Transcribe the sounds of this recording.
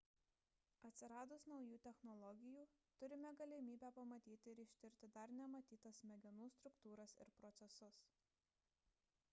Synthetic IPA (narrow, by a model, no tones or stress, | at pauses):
ɐt̪ʲsʲɪɾɑːd̪ʊsnɒʊjuːt̪ʲɛxnɔlˠɔɡʲɪjuː | t̪ʊɾʲɪmʲɛɡɐlʲɪmʲiːbʲæpɐmɐt̪ʲiːt̪ʲɪɪɾɪʃʲt̪ʲɪɾʲt̪ʲɪd̪ɐɾnʲɛmɐt̪ʲiːt̪ɐsmʲɛɡʲɪnuːst̪ɾʊkt̪uːɾɐsɪ̰ɾpɾɔt̪sʲɛsʊs